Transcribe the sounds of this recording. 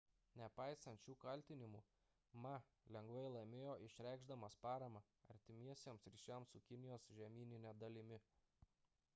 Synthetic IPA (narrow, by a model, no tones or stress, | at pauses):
nʲɛpɑɪsɐnʲt̪t͡ʃʲuːkɐlʲt̪ʲɪnʲɪmuː | mɐ | lʲɛŋɡʋɐɪlˠɐɪmʲeːjoːʔɪʃʲɾʲæˑɪɡʒd̪ɐmɐspɑːɾɐmɑ | ɐ̰ɾʲt̪ʲɪmʲiɛsʲeɛmsɾʲiːʃʲɛˑmsʊkʲɪnʲɪjoːsʒʲɛmʲiːnʲɪnʲɛd̪ɐlʲɪmʲɪ